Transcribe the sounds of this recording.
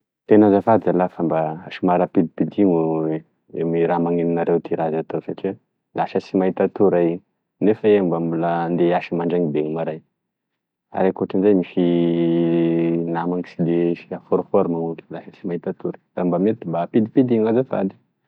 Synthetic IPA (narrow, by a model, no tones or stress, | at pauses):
t̪enazafad̪ialafambaaʃimaɾapid̪ipid̪iŋu | emiɾamaŋeninaɾewt̪iɾazat̪osaʈ͡ʂi | laʃəsimait̪at̪uɾai | nefaembambulənd̪eaʃimaɳɖ͡ʐaŋibeŋumaɾaj | a̰ɾekuaʈ͡ʂinzajmiʃi | namaŋisid̪esiafoɾofoɾmaŋuklaʃəsimait̪at̪uɾə̥d̪̥ambamet̪imbapid̪ipid̪iŋazafa̰d̪i̥